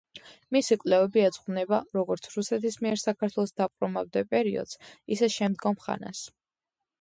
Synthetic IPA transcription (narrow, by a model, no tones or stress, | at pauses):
misikʼlɛvɛbiɛd̪zχnɛbaɾɔɡɔɾt̪sʰɾusɛt̪ʰismiɛɾsakʰaɾt̪ʰwɛlˠɔsd̪apʼɾɔmavd̪ɛpʼɛɾiɔ̰d̪̥z̥isɛʃɛmd̪ɡɔmχa̰na̰s